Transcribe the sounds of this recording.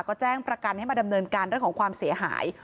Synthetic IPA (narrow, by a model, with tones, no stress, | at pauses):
kɔː˥˩t͡ɕɛː˥˩ŋpɾa˧ka˧nha˥˩jmaː˧da˧mnɤː˧nkaː˧nɾɯ˥˩əŋʰɔː˨˩˦ŋkʰwaː˧msi˩˦ɐɦa̰ː˩˦j